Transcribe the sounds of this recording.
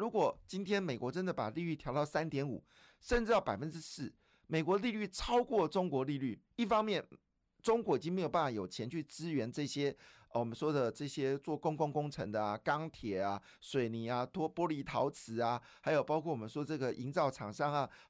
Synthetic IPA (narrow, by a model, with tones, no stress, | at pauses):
ɻu˧˥kwɔ˨˩t͡ɕi˥nt̪ʰjɛ˥nme˨˩ɪkwɔ˧˥ʈ͡ʂə˦nd̪ə˨pa˨˩li˥˧ly˥˩t̪ʰjɑ˧˥ʊt̪ɑ˥˩ʊsa˥nt̪jɛ˧˥nṵ˨˩ | ʂə˥˧nʈ͡ʂɻ̩˧jɑ˥˩ʊpa˨˩fə˦nʈ͡ʂɻ̩˥sɻ̩˥˩ | me˨˩ɪk̬wɔ˧˥˦li˥˧ly˥˩ʈ͡ʂʰɑ˥ʊkwɔ˥˩ʈ͡ʂʊ˥ŋkwɔ˧˥li˥˧ly˥˩ | i˥˩fɑ˥ŋmjɛ˥˨n | ʈ͡ʂʊ˥ŋkwɔ˧˥i˨t͡ɕi˦ŋme˧˥jo˨˩p̬a˥˩fa˨˩jo˨˩ʊt͡ɕʰjɛ˧˦˥nt͡ɕʰy˥˩ʈ͡ʂɻ̩ɹ̩˥ɥɛ˧˥nʈ͡ʂɤ˥˩ɕjɛ˥ | wɔ˨˩mə˦nʂwɔ˥d̪ə˨ʈ͡ʂɤ˥˩ɕjɛ˥t͡swɔ˥˩kʊ˥ŋkʊ˥ŋkʊ˥ŋʈ͡ʂʰə̰˧˥ŋd̪ə˧a˨kɑ˥ŋt̪ʰjɛ˨˩a˨ | swe˨˩ɪni˨˩˦a˧t̪wɔ˥pwɔ˥li˧˥t̪ʰɑ˧˦ʊt͡sʰɹ̩˧˥˦a˧ | ha˧˥ɪjo˨˩ʊpɑ˥ʊkʰɔ˥˩wɔ˨˩mə˦n˥ʂwɔ˥˧ʈ͡ʂɤ˥˩ɡə˨ʔi˧˥ŋt͡sɑ˥˩ʊʈ͡ʂʰɑ˨˩ŋʂɑ˥˩ŋa˨